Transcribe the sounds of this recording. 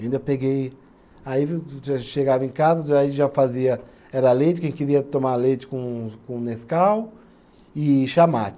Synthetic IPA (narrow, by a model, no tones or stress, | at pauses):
aĩd̪ɐewpeɡej | aiaʃeɡavɐẽkazɐaiʒafaziɐ | ɛɾɐlejt͡ʃɪ̥kẽj̃kɪɾiɐt̪õmalejt͡ʃɪ̥kõkõneskaw | ɪʃamat͡ʃ